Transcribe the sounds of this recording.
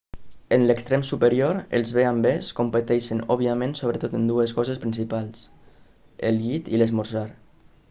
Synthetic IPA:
ənləkst̪ɾɛmsupəɾioɾə̰lˠzβeambeskompət̪ɛʃənɔβiəmẽnsoβ̞ɾət̪ot̪ənd̪uəskɔzəspɾins̬ipalˠs | ə̰lˠɣit̪iləzmuɾzaɾ

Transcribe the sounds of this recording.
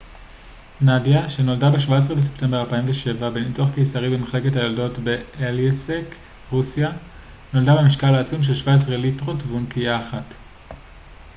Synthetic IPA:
nadjaʃe̞no̞ldabeʃvaes̬ʁebes̬epte̞mbealpaimveʃe̞vabe̞nituaχkejsaʁibemeχle̞ke̞thajoldo̞tbe̞elesek | ʁusija | no̞ldabemiʃkalaːt͡sumʃ̬e̞lʃvaes̬ʁelitʁo̞tvunkijaːχat

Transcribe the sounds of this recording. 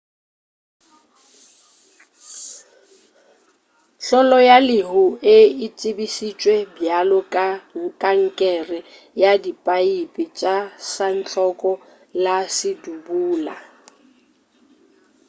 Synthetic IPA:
ɬɔlɔjalɪɦʊɪɪt͡sʼɪbisit͡ʃʼwɛbjalɔkʼaŋ̩kʼaŋ̩kʼɛrɪ | jadipʼaipʼɪt͡ʃʼasan̩t͡ɬʼɔkʼɔ | lasɪdubuːla̰

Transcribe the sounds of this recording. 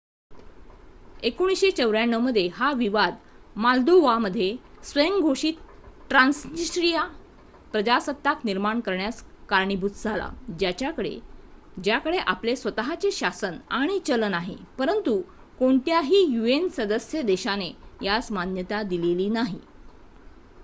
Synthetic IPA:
ekoɽ̃isɕet͡ɕəʋɾjaɳːəʋməd̪ʱjeɦaʋiʋad̪ | mald̪oʋaməd̪ʱːjesʋəjəŋɡʱoɕiːt̪̚ʈɾansnisʈɾija | pɾəd͡ʑasət̪ːakniɾmaɳkəɾɳjaskaɾɳibʱut̪d͡zʱala̰d͡ʑjat͡ɕjakəɽḛ | d͡ʑjakəɽeʔaplesʋət̪aɦat͡seɕasənaɽ̃it͡ɕələnaɦḛpəɾənt̪u | koɳt̪jaɦiːjuensəd̪əsjəd̪eɕanejat͡smanjət̪ad̪ileliːnaɦḭ

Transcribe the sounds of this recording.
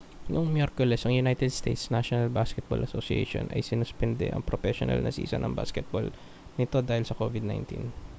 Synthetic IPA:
nʔʊŋmjɛɾkʊlɛsʔɐŋjʊnajt̪ɛd̪st̪ḛjt̪snaʃonɐlbaskɛt̪̚bo̰lʔɐsosiḛʃo̰nʔɐ̰jsɪnʊspɛnd̪ɛ̰ʔɐ̰ŋpɾofɛʃo̰nɐ̰lnɐ̰sḭːsɐ̰nɐ̰ŋba̰skɛt̪̚bo̰l | nɪt̪o̞d̪aːhɪlsɐkovɪd̪̚na̰jnt̪ḭn

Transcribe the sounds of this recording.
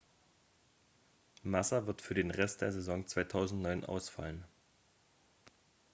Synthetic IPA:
masɐvɪɐtfyːɐdeːnʁɛstd̥eːɐzezɔŋt͡sv̥aɪtʰaʊzn̩tnɔʏnʔa̰ʊsfa̰lən

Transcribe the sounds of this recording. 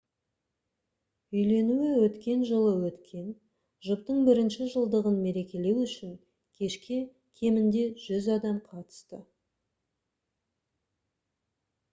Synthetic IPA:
ʏjle̞nuɪwɵt̪kʲe̞nʒəlˠəwɵt̪kʲʰe̞n | ʒʊp̚t̪əɴbɪɾɪnʃɪʒəlˠd̪əʁənme̞ɾe̞kʲe̞le̞wʏʃɪŋ | kʲʰe̞ʃkʲe | kʲʰe̞mɪnd̪e̞ʒ̥ʏzɑd̪ɑmqʰɑt̪ə̥st̪ə

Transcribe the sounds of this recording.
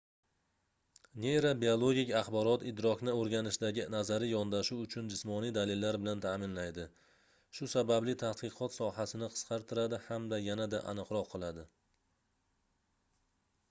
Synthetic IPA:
nejɾabiolˠo̞ɡʲɪkʲaχbɒɾɒt̪ɪd̪ɾɒkʲnɪoɾɡʲanɪʃd̪aɡʲɪnazaɾɪjɒnd̪aʃuwʊt͡ʃʰʊnd͡ʒɪsmɒnijd̪alɪlːaɾbɪlant̪ʰaːmɪnlajd̪ɪ | ʃʊsabablɪt̪ʰah̪qɨqʰɒt̪sɒhasɪnɪqʰɨ̥sqʰɑɾt̪ʰɪɾad̪ɪhamd̪ajanad̪a̰ʔa̰nɨqɾɒqʰːɨlˠad̪ɪ

